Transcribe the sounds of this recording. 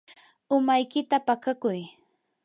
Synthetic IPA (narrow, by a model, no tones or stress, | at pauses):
ʊmajkɪt̪apakakʊj